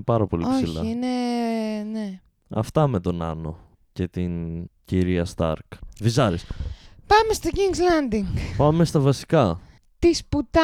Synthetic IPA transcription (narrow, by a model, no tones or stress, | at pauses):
pɐɾɐpo̞̰liosiçlɐ̰iine | ne | ɐ̰ft̪ɐmet̪o̞nɐ̰no̞̰ | ce̞t̪inciɾiɐst̪ɐ̰ɾkvizɐɾispɐmest̪ociŋɡzlɐnd̪iŋɡpɐme̞st̪ɐvɐsi̥kɐ | t̪isput̪ɐ